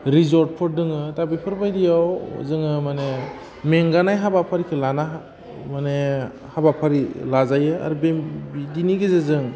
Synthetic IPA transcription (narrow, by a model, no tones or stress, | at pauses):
ɾizɔɾt̚pʰɔɾ̚dɯŋɯtabipʰɯɾbajdijaw̰zɯŋɯmane | meŋɡanajɦabapʰaɾikʰɯlana | mane | habapʰaɾilazajɯa̰ɾubebidiniɡezezɯŋ